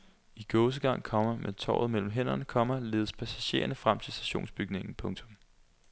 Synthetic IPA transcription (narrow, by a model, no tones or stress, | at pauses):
iɡ̥ɔʊs̬əɡ̥ɑ̈ŋ̰kʰɒ̽m̰ɐmet͡sʰɒ̰ːð̞̩ˠmel̰m̩ɦen̰ɐnəkʰɒ̽m̰ɐle̝ːð̞ˠəspʰæsæɕe̝̰ːɐnəfʁam̰t͡sʰe̝lsd̥æɕo̝̰ːnsb̥yɡ̥ne̝ŋn̩pʰɔ̽ŋt͡sʰɔ̽m